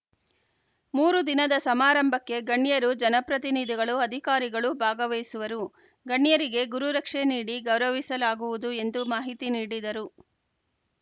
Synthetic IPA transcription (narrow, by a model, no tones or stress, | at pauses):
muːɾud̪inɐd̪ɐsɐmaːɾɐmbʱɐkːe̞ɡɐɳːjɐɾud͡ʒɐnɐpɾɐt̪inid̪ʱiɡɐɭuɐd̪ʱikaːɾiɡɐɭubʱaːɡɐʋejsuʋɐɾu | ɡɐɳːijɐɾiɡe̞ɡuɾuɾɐkʂeniːɽiɡɐwɾɐʋisɐlaːɡuʋud̪ue̞nd̪umaːɦit̪iniːɽid̪ɐɾu